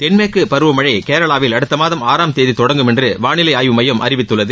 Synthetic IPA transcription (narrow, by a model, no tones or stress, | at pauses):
t̪ɛnmeːkːɯpɐɾɯʋɐmɐɻɐɪkeːɾɐɭaːʋɪlɐɽɯt̪ːɐmaːðɐmaːɾaːmt̪eːðit̪ɔɽɐŋɡɯmɛndrɯʋaːnɪlɐɪaːjɯmɐjɐmʔɐ̰ɾɪʋɪt̪ːɯɭːɐðɯ